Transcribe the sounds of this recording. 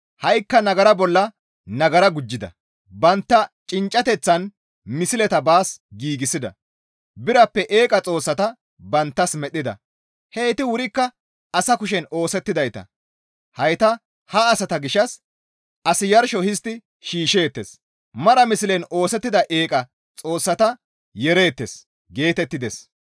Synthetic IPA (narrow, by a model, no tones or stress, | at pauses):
hɐjkːɐnɐɡɐɾɐbɔlːɐ | nɐɡɐɾɐɡʊd͡ʒːɪd̪ɐ̰ | bɐnt̪ːɐt͡ʃʼɪnt͡ʃʼːɐt̪ɛt͡sːɐn | mɪsɪlɛt̪ɐbaːsɡiːɡɪsɪd̪ɐ̰ | bɪɾɐpːɛʔeːkʼɐt͡sʼo̞ːsːɐt̪ɐ | bɐnt̪ːɐsmɛɗɪd̪ɐ̰ | heːt̪ɪwʊɾɪkːɐ | ɐsɐkʊʃ̬ɛno̞ːsɛt̪ːɪd̪ɐjt̪ɐ̰ | hɐjt̪ɐ | hɐːsɐt̪ɐɡɪʃːɐs | ɐsɪjɐɾʃɔhɪs̬t̪ːɪ | ʃiːʃe̞ːt̪ːes | mɐɾɐmɪsɪlɛno̞ːsɛt̪ːɪd̪ɐʔeːkʼɐ | t͡sʼo̞ːsːɐt̪ɐ | jɛɾe̞ːt̪ːes | ɡe̞ːt̪ɛt̪ːɪd̪ɛs